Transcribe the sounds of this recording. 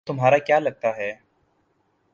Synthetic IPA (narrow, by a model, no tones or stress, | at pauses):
t̪ʊmɦaːɾakjaːlɐɡ̚t̪aɦɛː